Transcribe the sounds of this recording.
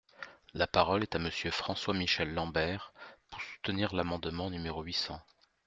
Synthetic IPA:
lapaʁɔlɛt̪aməsjøfχɑ̃swamiʃɛlːɑ̃bɛʁpuʁsu̥t̪əniʁlamɑ̃d̪mɑ̃nymeʁoɥisɑ̃

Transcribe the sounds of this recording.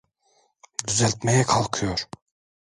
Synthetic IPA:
d̪yzælʲt̪mɛjɛkʰalˠkʰɯjoɾ̥

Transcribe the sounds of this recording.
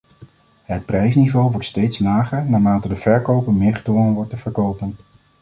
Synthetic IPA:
ɦət̚prɛjsnivowʋɔɹtstejtslaːχəɹnaːmaːtədəvɛɹkowpəɹmɪːɹχə̥dʋɔnənʋɔɹtəvəɹkowpən

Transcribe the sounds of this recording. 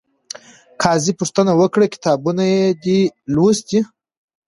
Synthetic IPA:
kʰɑzipuʂt̪ənawəkɽakʲi̥t̪ɑbunajed̪ilosd̪i

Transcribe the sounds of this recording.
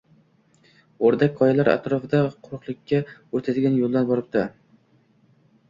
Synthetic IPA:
oɾd̪akʲʰːɒjalaɾa̰t̪ɾɒfɪd̪aqʰʊɾɨqlˠɪkʲʰːaot̪ʰad̪ɪɡʲanjolˠd̪anbɒɾɪp̚d̪a

